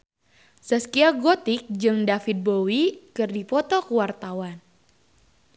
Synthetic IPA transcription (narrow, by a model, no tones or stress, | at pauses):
səskiaɡot̪ɪk̚d͡ʒɨŋdafit̪̚bowikɨrdipɔt̪ɔkəwart̪awan